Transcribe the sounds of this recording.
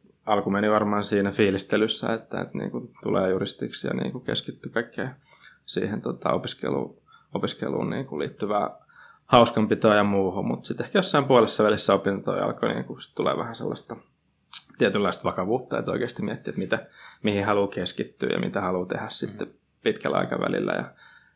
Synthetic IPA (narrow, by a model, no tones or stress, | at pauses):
ɑlkumeniʋɑrmɑːnsiːnæfiːlist̪elysːæ̰et̪ːæḛt̪nḭːŋkunt̪ulḛːjurist̪iksjɑ̰nḭːŋkukḛskit̪ːykɑikːḛː | sḭːhent̪ot̪ɑ̰opiskḛlṵː | opiskḛlṵːnniːŋkulḭːt̪ːyʋæ̰ː | hɑuskɑmpit̪oɑjɑmuːhumut̪sit̪ehkæjosːɑimpuɑlesːɑʋælisːæopint̪o̰jɑ̰lkonḭːŋkusi̥t̪t̪ulḛːʋæhænsḛlːɑst̪ɑ | t̪iæt̪ylːɑist̪ʋɑkɑʋuːt̪ːɑḛt̪oikeːst̪imiæt̪ːiːet̪mit̪æmihihɑluːkeskit̪ːy̰ːjɑ̰mʔḭt̪æhɑluːt̪ehæssit̪ːe | pit̪kælɑ̰ikɑʋæ̰lilːæ̰jɑ̰